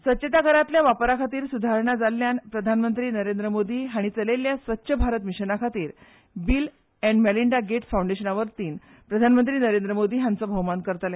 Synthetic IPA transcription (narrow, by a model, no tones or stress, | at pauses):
sʋətːɕet̪akəɾat̪ljaʋapəɾakʰat̪iːɾsud̪ʱaɾɳad͡zalːjanpɾəd̪ʱanmənt̪ɾiːnəɾend̪ɾəmod̪ʱiːɦaɽ̃it͡səleljasʋətːɕʰəbʱaɾət̪miɕənakʰat̪iːɾ | bil | ɛ̃ɳɖmæliɳɖaɡeʈsfawɳɖeɕənaʋəɾt̪iːn | pɾəd̪ʱanmənt̪ɾiːnəɾend̪ɾəmod̪ʱiːɦãnt͡sɔbʱəwmankəɾt̪alɛ